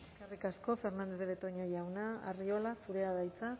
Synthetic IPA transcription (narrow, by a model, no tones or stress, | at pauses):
ekarikasko̞fe̞ɾnand̪eβeβet̪o̞ɲojawnaa̰rio̞lasuɾe̞aðajt͡sa